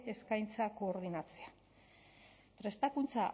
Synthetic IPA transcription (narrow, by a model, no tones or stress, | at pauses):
e̞skajnt͡sako̞ːɾðinat͡sea | pɾe̞st̪akunt͡sa